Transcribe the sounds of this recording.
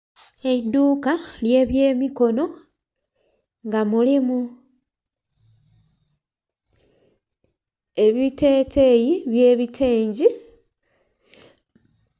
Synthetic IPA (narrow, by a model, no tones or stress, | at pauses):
e̞iduːkalje̞ːβje̞ːmiko̞no̞ | ŋɡamulimu | e̞βite̞ːtʰe̞jiβje̞ːβitʰeːɲɟi